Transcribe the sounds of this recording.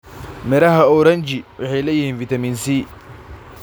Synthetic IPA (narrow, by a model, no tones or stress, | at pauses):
mɛɾɐɦɐɔɾɐnt͡ʃɪwʔɪħɛjlɛjɪhiːnfɪt̪ɐmiːnsiː